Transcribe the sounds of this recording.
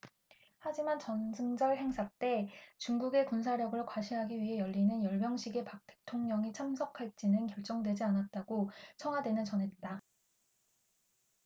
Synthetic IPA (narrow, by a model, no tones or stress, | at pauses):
had͡ʑimant͡ɕʌnsʰɯŋd͡ʑʌɭɦe̞ŋsʰat͈e̞t͡ɕuŋɡuɡe̞kuns̬ʰaɾjʌɡɯɭkwaɕʰiɦaɡiɥiɦe̞jʌʎːinɯnjʌɭmjʌŋɕʰiɡe̞pak̚t͈ʰe̞̥tʰoŋɲʌŋit͡ɕʰamsʰʌkʰaɭt͡ɕ͈inɯnkjʌɭt͡ɕ͈ʌŋdwe̞d͡ʑianat̚t͈aɡ̥ot͡ɕʰʌŋɦwadwe̞nɯnt͡ɕʌnɦe̞t̚t͈a